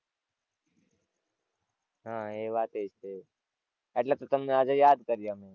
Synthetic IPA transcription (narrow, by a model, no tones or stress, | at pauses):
ɦãːeːbaːt̪ɦeɪst̪e | ɛʈlat̪ot̪ɐmneaːd͡ʒajaːd̪kəɾijamɛ̃